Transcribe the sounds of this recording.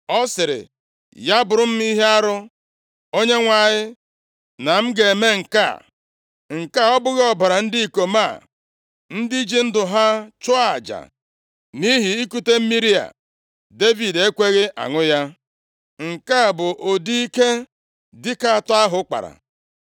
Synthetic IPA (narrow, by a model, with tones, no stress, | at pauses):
ɔ˦sɪ˨ɾɪ̰˨ | ja˦bʊ˨ɾʊ˨m̩˦mi˦ɦe˦a˦ɾʊ˦ | o˦ɲe˦ŋʷa˨ɲɪ˦ | na˨m̩˦ɡe˨me˦ŋ̩˨ka̰˦˨ | ŋ̩˨ka˦ɔ˦bʊ˦ɣɔ˨ba˨ɾa˨n̩˦di˦i˨ko˨ma˦˨ | n̩˦di˦d͡ʒi˦n̩˦dʊ˨ɦa˦t͡ʃʊ˦a˨d͡ʒa̰˨ | ni˦ɦi˨i˦ku˦te˦m̩˦mi˦ɾi˦a̰˨ | de˦vi˨de˦kʷe˦ɣɪ˦ʔa̰˨ŋʊ˦ja˦ | ŋ̩˨ka˦˨bʊ˨ʔo˨di˦i˦ke˦ | dɪ˦ka˦˨tɔ˦a˦ɦʊ˦k͡pa̰˨ɾa̰˨